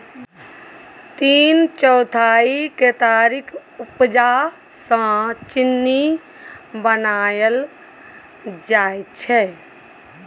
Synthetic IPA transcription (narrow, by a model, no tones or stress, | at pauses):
t̪iːnt͡ʃɔʊt̪ʰaiket̪aːɾikʰupd͡ʒa | sə̃t͡ʃinːi | bənajəl | d͡ʒaːett͡ʃʰɛ